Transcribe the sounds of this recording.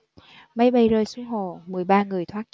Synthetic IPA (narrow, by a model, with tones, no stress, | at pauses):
ma˨˦jɓa˧jzəː˧jsu˧˦ŋɦo̰˧˨˩mɨ˨˩əjɓaː˧ŋɨ˨˩əjt̪ʰwaː˦˥t̚t͡ɕ